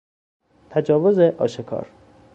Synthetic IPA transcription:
t̪ʰæd͡ʒɒːvozeʔɒ̰ːʃekʰɒ̰ːɾ

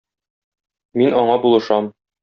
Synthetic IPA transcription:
minɒɴɑbulˠɤ̆ʃɑm

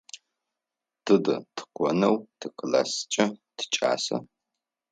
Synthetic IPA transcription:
tʰɨdɨtʰɨ̥qʷɔnɐwtʰɨkʰɨla̰st͡ʃʼɐtʰɨ̥t͡ʃʼa̰ːsɐ̰

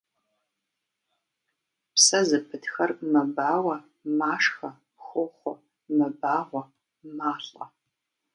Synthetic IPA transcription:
psɐzɨpʰɨtxɐrmɐbaːwɐ | maːʂxɐ | xʷʊχʷʊɔ | mɐbaːʁʷɔ | maːɬʼɐ̰

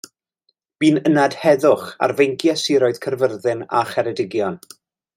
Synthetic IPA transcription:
b̥iːnənad̥hɛðʊχa̰rvejŋkʰjasɪɾɔɨð̥kʰərvərðɪna̰χɛɾɛdɪɡjɔn

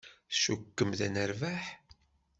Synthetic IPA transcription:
ʃukːəmðænəɾvaħ

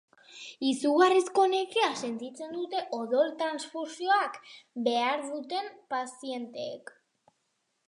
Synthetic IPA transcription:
isuɣarisko̞nekease̞nt̪it͡se̞nd̪ut̪e̞ʔo̞ðo̞lt̪ɾansfusio̞akbe̞aɾðut̪e̞mpasie̞nt̪ḛːk

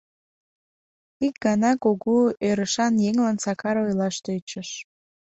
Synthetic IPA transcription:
ik̚ɡɑnɑkoɣuøɾəʃɑnjeŋlɑnsɑkɑɾojlɑʃt̪øt͡ɕəʃ

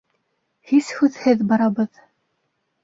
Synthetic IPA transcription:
hishʉðhɘðbɑɾɑβɤð

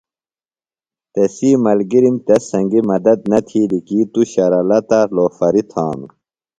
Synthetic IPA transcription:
t̪esiːmɐlɡiɾimt̪ɐsɐ̃ŋɡimɐd̪ɐd̪nɐt̪ʰilikiːt̪uɕɐɾɐlɐt̪ɐloːfɐɾit̪ʰaːm

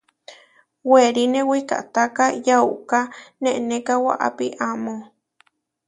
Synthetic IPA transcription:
weɾinewika̰ʔt̪akajauʔkaneʔnekawa̰ʔa̰piʔamo

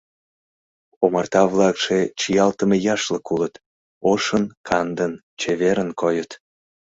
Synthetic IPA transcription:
omɑrt̪ɑβlɑkʃet͡ɕijɑlt̪əmejɑʃləkulət̪ | oʃənkʰɑnd̪ən | t͡ɕeβeɾənkʰojət̪

